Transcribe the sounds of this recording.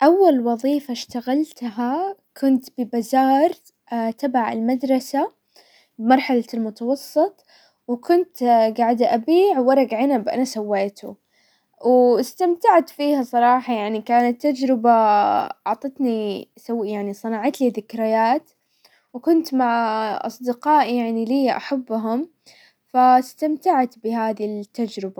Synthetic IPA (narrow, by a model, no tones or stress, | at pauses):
ʔawːalwɑðˤiːfaʃt̪aɣalt̪ɦakʰʊnt̪bɪbazɑːɾˤ | t̪abaʕɪ̰lmad̪ɾˤɑsa | bɪmɑɾˤħalalmʊt̪ɑwɑsˤːɨt̪ˤ | wkʊnt̪ɡaʕd̪ʔabiːʕwɑɾˤɑɡaʕanabʔa̰nasawːeːt̪ʰṵ | wɪst̪amt̪aʕt̪fiːhasˤɑɾˤɑːħɑjaʕnikaːnat̪ːad͡ʒɾɪbaɑʕt̪ˤɪt̪nisawːjaʕnisˤɨnɑʕɑt̪liðɪkɾɪjaːt̪ | wkʊnt̪maʕʔɑ̰sˤd̪ɪqɑːʔjaʕniliːʔa̰ħabːɦʊm | fast̪amt̪aʕt̪bɪɦaːðit̪ːad͡ʒɾɪba